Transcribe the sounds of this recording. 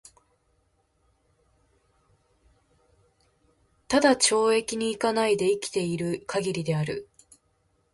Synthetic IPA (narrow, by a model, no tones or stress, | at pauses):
t̪ad̪at͡ɕo̞ːe̞kʲiɲ̟iːkanaid̪e̞ikʲi̥t̪e̞iɾɯ̟kʰaɡʲiɾʲid̪e̞aɾɯ̟̰